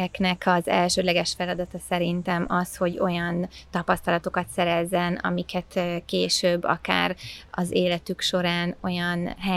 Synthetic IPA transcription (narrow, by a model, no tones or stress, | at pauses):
ɛknɛkɒzɛ̰lʃøːd̪lɛɡɛʃfɛlɒd̪ɒt̪ɒsɛɾint̪ɛmʔɒsho̞ɟo̞jɒnt̪ɒpɒst̪ɒlɒt̪o̞kɒt̪sɛɾɛzːɛnɒ̰mikɛt̪keːʃøːbːɒ̰ka̰ːrɒzeːlɛt̪ykʃo̞ɾaːno̞jɒnɦɛ